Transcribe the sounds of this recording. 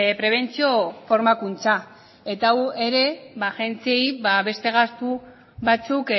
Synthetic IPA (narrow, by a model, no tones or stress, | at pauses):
pɾe̞β̞e̞nt͡sio̞fo̞ɾmakunt͡sa | e̞t̪awe̞ɾe̞βaʝe̞nt͡siejβaβe̞st̪e̞ɣ̞ast̪u | βat͡suk